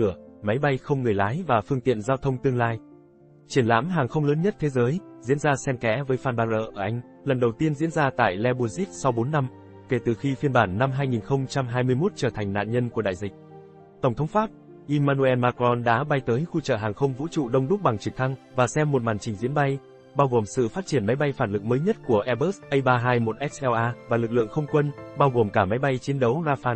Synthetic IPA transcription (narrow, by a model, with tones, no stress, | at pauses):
əma˨˦jɓa˧jxə˧wŋ͡mŋɨ˨˩əjlaː˨˦jvaː˨˩fɨ˧əŋt̪ḭ˧˨ənzaː˧wt̪ʰə˧wŋ͡mt̪ɨ˧əŋlaː˧j | t͡ɕi˧˩ənla̰ː˧˥mɦaː˨˩ŋxə˧wŋ͡mləː˨˦nɲə˦˥t̚t̪ʰe˨˦zəː˨˦jzḭ˧˥ənzaː˧sɛ˧mkɛ̰˧˥vəː˨˦jfaː˧nɓaː˧nʔə̰ː˧˨ʔəː˧˩ʔa˧jŋ̟ | lə˨˩nɗə˨˩wt̪i˧ənzḭ˧˥ənzaː˧t̪a̰ː˧˨jlɛ˧ɓu˧zi˦˥k̚sa˧wɓo˨˦nːa˧m | ke˧˩t̪ɨ˨˩xi˧fi˧ənɓaː˧˩nːa˧mɦaː˧jŋi˨˩nxə˧wŋ͡mt͡ɕa˧mɦaː˧jmɨ˧əjmo˦˥t̚t͡ɕəː˧˩t̪ʰa˨˩jŋ̟na̰ː˧˨nɲə˧nku˧˩əɗa̰ː˧˨jzï˨˩k̟̚ | t̪ə˧˩ŋ͡mt̪ʰə˨˦wŋ͡mfaː˦˥p̚ | ʔi˧maː˧nu˧ʔɛ˧nmaː˧kɔ˧nɗa̰ː˧˥ɓa˧jt̪əː˨˦jxu˧t͡ɕə̰ː˧˨ɦaː˨˩ŋxə˧wŋ͡mvṵ˧˥t͡ɕṵ˧˨ɗə˧wŋ͡mɗʊ˦˥k͡p̚ɓa˨˩ŋt͡ɕi˧˩ət̪ʰa˧ŋ | vaː˨˩sɛ˧mːo˨˩t̚maː˨˩nt͡ɕï˨˩ŋ̟zḭ˧˥ənɓa˧j | ɓaː˧wɣo˨˩msɨ̰˧˨faː˦˥t̚t͡ɕi˧˩ənma˨˦jɓa˧jfaː˧˩nlɨ˨˩k̚məː˨˦jɲə˦˥t̚ku˧˩əʔɛ˧ɓəː˦˥sʔə˧jɓaː˧ɦaː˧jmo˨˩t̚ʔɛ˦˥k̚sʔɛ˧ʔaː˧vaː˨˩lɨ˨˩k̚lɨ̰˧˨əŋxə˧wŋ͡mkwə˧nɓaː˧wɣo˨˩mkaː˧˩ma˨˦jɓa˧jt͡ɕi˨˦ənɗə˨˦wzaː˧faː˧n